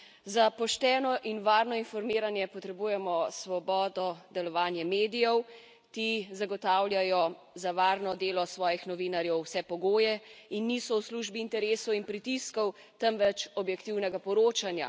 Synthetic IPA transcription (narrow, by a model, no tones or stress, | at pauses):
zapɔʃt̪ɛːnɔʔinʋaːɾnɔinfɔɾmiːɾanjɛpɔt̪ɾɛbuːjɛmɔsʋɔbɔːd̪ɔd̪ɛlɔʋaːnjɛmeːd̪ijɛw | kizaɡɔt̪aːwljajɔ | zaʋaːɾnɔd̪eːlɔsʋɔːjixnɔʋiːnaɾjɛwsɛpɔɡoːjɛinːisɔwsluːʒbiːnt̪ɛɾeːsɔwinpɾit̪iskɔw | t̪ɛmʋɛt͡ʃɔbjɛkt̪iwnɛɡapɔɾoːt͡ʃanja̰